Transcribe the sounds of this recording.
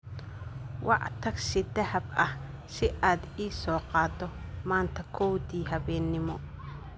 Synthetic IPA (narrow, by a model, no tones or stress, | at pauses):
wɑʕt̪ʰɐɡsɪd̪ɐhɐbɐh | sɪʔaːd̪iːsɔːqɑːd̪ɔmaːnt̪ʰɐkʰɔwdiːɦɐβɛːnːɪmɔ